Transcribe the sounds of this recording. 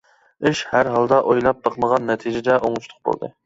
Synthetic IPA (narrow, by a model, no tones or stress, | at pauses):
ɪʃhæɾɦɑlˠd̪ɑʔojlˠɑp̚bɑqʰməʁɑnːɛt̪ʰid͡ʒɪd̪ɛʔoŋut͡ʃt̪ʰʊ̥q̚bo̰lˠd̪ɨ̰